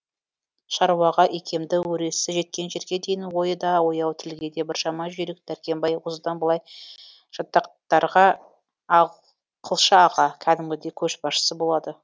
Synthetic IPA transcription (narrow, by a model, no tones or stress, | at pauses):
ʃɑɾwɑʁɑʔekʲʰe̞md̪ɪwɵɾe̞sɪʒe̞t̪̚kʲe̞nʒe̞ɾɡʲe̞d̪e̞jɪnwo̞jəd̪ɑwo̞jɑwt̪ʰɪlɡʲe̞d̪e̞bɪɾʃɑmɑʒʏɾek̚d̪̥æɾkʲe̞mbɑjwʊzəd̪ɑnbəlˠɑj | ʒ̥ɑt̪ːɑqt̪ɑɾʁɑ | qʰəlˠʃəɑʁɑkʲʰæd̪ɪmɡʲɪd̪e̞kʲʰɵʃbɑʃə̥səbolˠɑd̪ə